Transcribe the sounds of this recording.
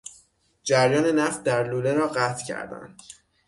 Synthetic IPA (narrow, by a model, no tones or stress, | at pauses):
d͡ʒæɾjɒːne̞næft̪̚d̪æɾluːleɾɒːɢæt̪ʰcʰæ̰ɾd̪æ̰nd̪̥